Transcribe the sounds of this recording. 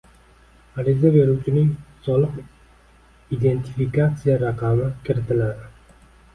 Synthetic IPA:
aɾɪzabe̞ɾuwt͡ʃʰɪnɪŋsɒlˠɨq | id̪e̞nt̪ʰifikat̪sijaɾaqʰɑmɪkʲʰɪɾɪt̪ɪlaɾ

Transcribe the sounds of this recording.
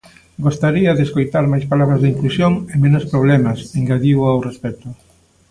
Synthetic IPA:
ɡost̪aɾiɐðeskojt̪aɾmajspalaβɾazðiŋklusjoŋemẽnʊspɾoβlɛmasiŋɡaðioawrespɛt̪ʊ

